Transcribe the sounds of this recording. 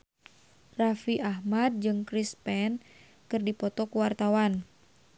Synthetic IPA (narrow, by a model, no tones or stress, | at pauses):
rafiʔaɦmad̪̚d͡ʒɨŋkɾispɛn | kɨrdipɔt̪ɔkuwart̪awan